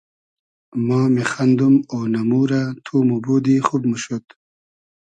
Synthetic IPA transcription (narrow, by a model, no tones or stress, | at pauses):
mɑːmexand̪umoːnamuːɾat̪ʰuːmuboːd̪ixub̚muɕot̪